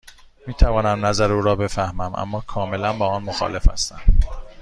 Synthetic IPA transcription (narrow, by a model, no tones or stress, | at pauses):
miːt̪ʰævɒːnæmnæzæɾeuːɾɒːbe̞fæhmæmʔæ̰mːɒːkʰɒːme̞lænbɒːɒːnmoxɒ̰ːle̞fæ̰st̪æm